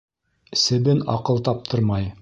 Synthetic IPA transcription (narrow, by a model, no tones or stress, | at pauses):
ɘsɘ̆bɘnɑ̰qɤlˠt̪ɑp̚t̪ʰɤ̆ɾmɑj